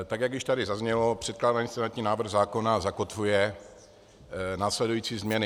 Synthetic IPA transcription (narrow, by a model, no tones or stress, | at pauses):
t̪aɡjaɡjɪʃt̪adɪzazɲɛlopr̥ɛt̪̚klaːdaɲisɛnat͡ʃɲiːnaːvr̩ɣzaːko̞nazako̞t̪vujɛ | naːslɛdujiːt͡siːzmɲɛnɪ